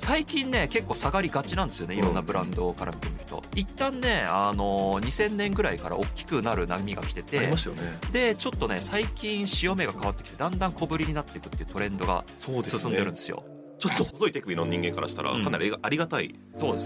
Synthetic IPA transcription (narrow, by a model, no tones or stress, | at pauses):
saikʲĩnːe̞ke̞kːo̞ːsaɡaɾʲiɡat͡ɕinãnd̪e̞sɨjo̞neiɾõ̞nːabɯ̟ɾãnd̪o̞kaɾʔa̰mʲit̪emɯ̟çi̥t̪o̞̰it̪ːãnːe̞ano̞ɲ̟isẽ̞nːẽ̞ŋɡɯ̟ɾaikaɾa̰ʔo̞kʲːi̥kɯ̟naɾɯ̟namʲiɡa̰kʲi̥t̪e̞t̪e̞imasjoned̪e̞t͡ɕo̞t̪ːo̞ne̞saikʲĩɰ̃ɕio̞me̞ɡakaβat̪ːekʲi̥t̪e̞d̪ãnd̪ãŋko̞bɯ̟ɾʲiɲ̟inat̪ːe̞ikɯ̟t̪ːeiɯ̟̥t̪o̞ɾẽ̞nd̪o̞ɡa̰soːd̪esɨsɨ̃ndeɾɯ̃nd̪e̞sɨjo̰ | t͡ɕo̞t̪ːohozo̞it̪e̞kɯbʲinoɲĩŋɡe̞ŋkaɾa̰ɕi̥t̪aɾa̰kanaɾʲiaɾʲiɡat̪aḭ | so̞ːd̪es